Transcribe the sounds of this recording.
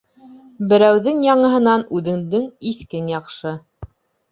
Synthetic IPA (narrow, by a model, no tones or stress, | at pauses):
bɘ̆ɾæwðɘŋjɑɴɤ̆ɦɤ̆nɑnʉðɘ̆ŋd̪ɘŋiθkɘnjɑqʃɤ